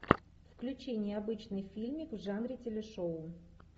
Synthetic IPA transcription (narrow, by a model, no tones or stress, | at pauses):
fklʲʉt͡ɕinʲɪjɐbɨt͡ɕnɨjfʲilʲmʲɪkvʐanɾʲɪtʲɪlʲɪʂoʊ